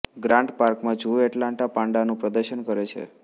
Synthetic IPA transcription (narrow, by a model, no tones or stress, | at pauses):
ɡɾãɳɖpaɾkmãd͡ʒuɛʈlãɳʈapãɳɖanũpɾəd̪əɾʃənkəɾet͡ʃʰḛ